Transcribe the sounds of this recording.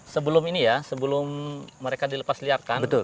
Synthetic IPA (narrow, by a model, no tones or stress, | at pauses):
səbəlʊminijasəbəlʊmːəɾekadiləpasliarkanbət̪ʊl